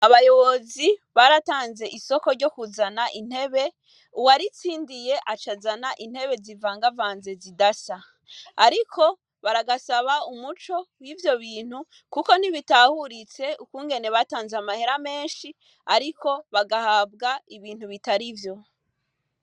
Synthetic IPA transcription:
aβajo̞βo̞ziβaɾataːnze̞ʔiso̞ko̞ɾɟo̞kuzanaʔin̥he̞βe̞ | uwaɾit͡siːndije̞ʔat͡ʃazanaʔin̥he̞βe̞zivaːŋɡavaːnze̞zidasa | aɾikʰo̞ | βaɾaɡasaβaumut͡ʃo̞wivjo̞βiːn̥hu | kuko̞n̥iβitahuɾit͡se̞ukuːŋɡe̞ne̞βataːnzeamahe̞ɾame̞ːnʃi | aɾiko̞βaɡahaːβɡaiβiːn̥huβitaɾivjo̞

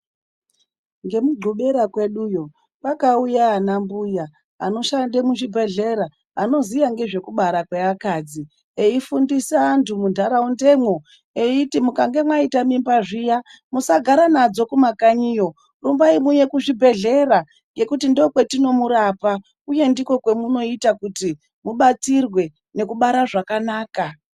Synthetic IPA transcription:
ŋɡe̞muɡʱuɓeɾakwe̞ɗujo̞ | pakaujaːnambuja | ano̞ʃandemuʐibʱe̞ɮe̞ɾa | ano̞zijaŋɡe̞ʐe̞kuɓaɾakweakad͡zi | eifundisaːntʰumundʱaɾaunde̞mwo̞ | eitimukaŋɡe̞mwaitamimbaʐija | musaɡʱaɾanad͡zo̞kumakaɲijo̞ | rumbaimuje̞kuʐibʱe̞ɮe̞ɾa | ŋɡe̞kutindokwe̞tino̞muɾapa | uje̞ndiko̞kwe̞muno̞itakuti | muɓat͡sirwe̞ | ne̞kuɓaɾaʐakanaːka

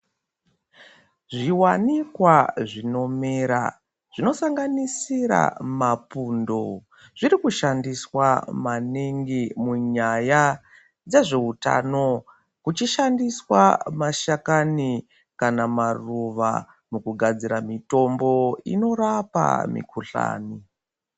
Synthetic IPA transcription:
ʐiwanikwaʐino̞meːɾa̰ | ʐ̥ino̞saŋɡanisiɾa̰mapundo̞ | ʐiɾikuʃandiswamaniŋɡimuɲaja | d͡ze̞ʐe̞uta̰no̞ | kut͡ʃiʃandiswamaʃakani | kanamaruʋa̰ | mukuɡʱad͡ziɾamito̞mbo̞ḭno̞rapa̰mḭkuɬa̰ːni

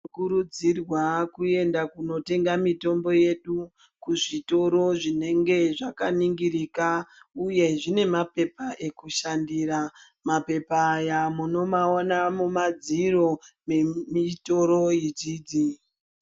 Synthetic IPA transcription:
kuɾud͡zirwakue̞ndakuno̞te̞ŋɡamito̞mbo̞je̞ɗu | kuʐito̞ɾo̞ʐine̞ŋɡe̞ʐakaniŋɡiɾiːkauje̞ʐine̞mape̞paʔe̞kuʃandira | mape̞pajamuno̞maonamumad͡ziro̞me̞mito̞ɾo̞jid͡ʒiːd͡zi

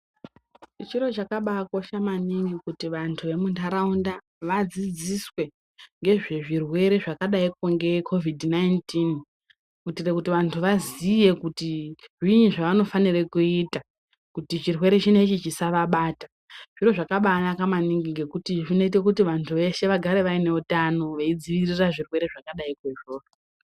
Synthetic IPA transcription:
t͡ʃiro̞t͡ʃakaɓakwoʃamaniŋɡikutiʋantʰuʋe̞muntʰaɾaunda | ʋad͡zid͡ziswe̞ | ŋɡe̞ʐeʐirwe̞ɾe̞ʐakaɗaik̚oŋɡe̞kʰo̞vidnajntin | kutirekutiʋantʰuʋazije̞kutiʐiɲiʐaʋano̞fanirekuita | kutit͡ʃirwe̞ɾe̞t͡ʃine̞t͡ʃit͡ʃisaʋaɓaːtḁ | ʐ̥iro̞ʐakaɓaːnakamaniŋɡiŋɡe̞kutiʐino̞it̬ekutiʋantʰuʋe̞ʃe̞ʋaɡʱaɾe̞ʋaine̞utano̞ʋeid͡ziʋiriraʐirwe̞ɾe̞ʐakaɗaikweʐoːro

